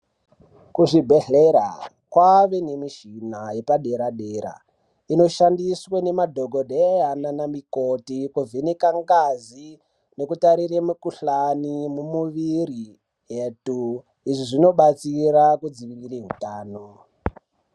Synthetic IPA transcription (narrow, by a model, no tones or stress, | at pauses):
kuʐibʱe̞ɮeɾa̰ | kwaʋenemiʃinaje̞paɗe̞ɾaɗeːɾa̰ | ino̞ʃandiswene̞madʱoɡʱo̞dejananamikotikuvinekaŋɡazi | nekutaɾiremukuɬanimumuʋiri | jeːtu | iʐiʐino̞ɓat͡siɾakud͡ziʋirireɦutaːno